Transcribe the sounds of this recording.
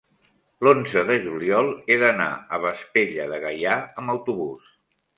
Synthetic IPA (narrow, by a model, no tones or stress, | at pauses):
lonzəðəʒuliɔlˠeðəna̰əβəspeʎəðəɣəjaəmbəwt̪uβus